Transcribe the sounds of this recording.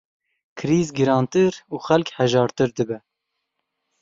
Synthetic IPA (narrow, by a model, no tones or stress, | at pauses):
kʰɨɾiːzɡɨɾɑːnt̪ɨɾuːxɛlkhɛʒɑːɾt̪ɨɾd̪ɨbɛ